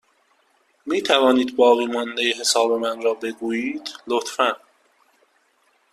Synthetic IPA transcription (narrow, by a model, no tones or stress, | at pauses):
miːt̪ʰævɒːniːd̪bɒːɣiːmɒnd̪ejeɦe̞sɒːbe̞mænɾɒːbe̞ɡuːjiːd̪̥lot̪fæn